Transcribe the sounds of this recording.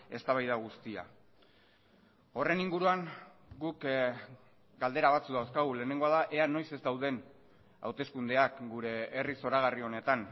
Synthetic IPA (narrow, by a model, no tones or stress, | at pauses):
e̞st̪aβajðaɣ̞ust̪ia̰ | o̞re̞niŋɡuɾuaŋɡuk | ɡald̪e̞ɾaβ̞at͡suðawskaɣule̞ːne̞ŋɡo̞aðaʔe̞ano̞jse̞zd̪awð̞e̞n | a̰wt̪e̞skund̪e̞akɡuɾe̞ːriso̞ɾaɣ̞ario̞ne̞t̪an